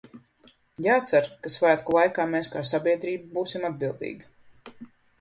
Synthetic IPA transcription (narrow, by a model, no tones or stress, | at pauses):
jaːt̪saɾkasvæːt̪kulˠajkaːmeːskaːsabʲiɛd̪ɾiːbbuːsimad̪̚bilˠd̪ḭːɡi